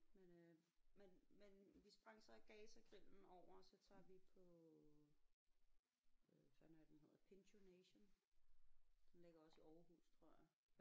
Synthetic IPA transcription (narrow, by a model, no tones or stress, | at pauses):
menømenmenʋisb̥ʁäŋ̰ɐsɑɡ̥ɛːsæɡ̥ʁil̰n̩ɒʊ̰ɐsɒ̽t͡sʰɑ̰̈ʋipʰɒ̽ | øsænæd̥enhe̝ð̰ˠɐð̩ˠpʰenɕʰoneɕon | d̥enleɡ̥ɐɒ̽səɒʊɐhṵːst͡sʰʁo̝ɐja